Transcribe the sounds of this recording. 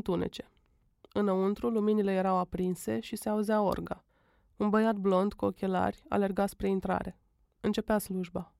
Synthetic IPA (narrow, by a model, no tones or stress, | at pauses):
t̪une̞̰t͡ʃe̞̥ | ɨnəunt̪ɾuluminile̞je̞ɾawapɾinse̞ʃise̞auzao̞̰rɡa | unbəjat̪̚blo̞nd̪kuo̞kʲe̞la̰rʲa̰le̞rɡaspɾe̞int̪ɾa̰ɾe̞ | ɨnt͡ʃe̞peasluʒba